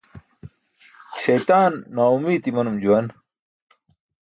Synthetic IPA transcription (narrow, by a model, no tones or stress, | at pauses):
ɕɐjt̪aːnːaːumiːt̪imɐnumd͡ʑuwɐn